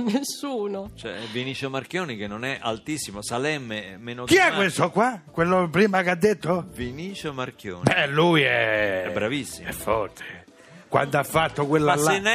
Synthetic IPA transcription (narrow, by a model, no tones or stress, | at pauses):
nesːuːnot͡ʃɛ̰viniːt͡ʃomarkjoːnikenːonɛʔa̰lt̪isːimosalɛmːemeːnokiakwest̪okwakwelːopɾiːmakad̪ːet̪ːoviniːt͡ʃomarkjo̰ːnɛlːujɛɛbɾavisːiɛfːɔrt̪ʰe̥ | kwa̰nd̪oafːat̪ːokwelːaen